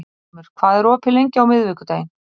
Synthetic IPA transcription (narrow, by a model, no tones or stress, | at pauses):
mɪɾ̥kʰv̥aːðɛɾɔːpʰɪlejɲcɪawmɪðvɪkʏt̪aːjɪn